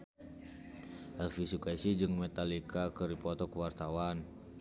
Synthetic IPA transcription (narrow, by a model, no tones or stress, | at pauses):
ʔɛlfisukaisid͡ʒɨŋmɛt̪alikakəɾipɔt̪ɔkəwart̪awan